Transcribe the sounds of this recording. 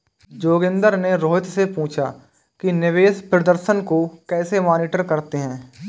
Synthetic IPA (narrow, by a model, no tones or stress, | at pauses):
d͡ʒoːɡɪ̃nd̪əɾneɾoːɦɪt̪sepũːt͡ʃʰa̰ | kinɪʋeːspɾəd̪əɾʃənkokɛːsemaːniːʈəɾkəɾt̪eɦɛ̃ː